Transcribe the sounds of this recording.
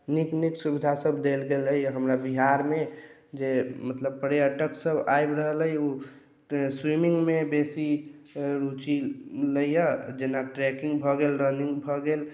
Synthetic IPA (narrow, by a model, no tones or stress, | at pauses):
nikniksubid̪ʱasəbd̪elɡeləjɦəmɾabiɦaɾmed͡ʒemət̪ləb̚pəɽeəʈəksəbajbɾəɦələiu | swimiŋɡmebesi | ɾut͡ʃiləjəd͡ʒenaʈɾɛkĩŋɡbʱɔɡelɾəniŋɡbʱɔɡel